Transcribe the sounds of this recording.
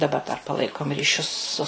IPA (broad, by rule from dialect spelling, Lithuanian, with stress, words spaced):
dɐˈbɐ dɐr pɐˈlˠɐɪkoːm rʲiːˈʃʲʊs sʊ